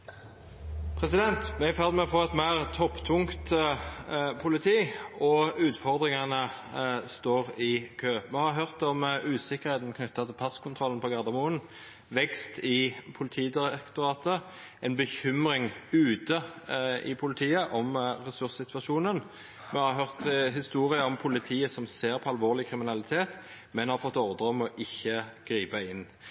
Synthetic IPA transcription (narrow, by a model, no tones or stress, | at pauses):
pʰʁɛsɪd̪ɛnt̪mɛfæʁd̪mɛfɔːɛt̪mæɪʁt̪ʰɔpːt̪ʰʊŋkt̪ | pʰʊlɪt̪ʰiːɔʉːt̪fɔʁd̪ʁɪŋɑnə | st̪oːʁɪkʰøːmɛhɑʁɦøʁt̪ɔmʉːsɪkːəʁheːt̪n̩kʰnʏt̪ːɑt̪ʰɪlpʰɑskʰʊnt̪ʰʁɔlənpʰɔɡɑʁd̪ɑmuːən | ʋɛkst̪ɪpʰʊlt̪ʰiːd̪ɪʁɛkt̪ɔʁɑːt̪ə | ʔɛɪnbəçʏmʁɪŋʉːt̪əɪ̰pʰʊlɪt̪ʰiːəʔɔmʁɛsʉʁssɪt̪ʋɑʃuːnən | mɛhɑʁɦœʁt̪ɦɪst̪uːʁɪəɔmpʰʊlɪt̪ʰiːəsɔmseːʁpʰɔɑlʋoːʁlɪkʰʁɪmɪnɑlɪt̪ʰeːt̪ | mɛnhɑʁfɔt̪ːɔʁd̪əʁɔmɔʔɪçːəɡ̥ʁiːpɑɪnː